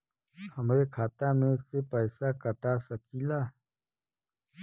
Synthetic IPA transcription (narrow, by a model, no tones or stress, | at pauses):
hɐmɾeːkʰaːt̪aːmẽːsepəjsaːkəʈaːsəkilaː